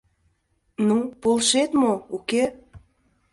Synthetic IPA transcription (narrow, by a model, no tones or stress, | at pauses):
nupolˠʃet̪mouke